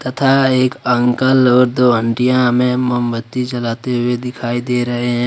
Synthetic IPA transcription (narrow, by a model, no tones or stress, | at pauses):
t̪ɐt̪ʰaeːkə̃ŋkəlɔːɾd̪oːə̃ɳʈijãmẽməmbət̪ːit͡ʃɐlaːt̪eɦʊed̪ɪkʰaːid̪eːɾɐɦeɦɛ̃ː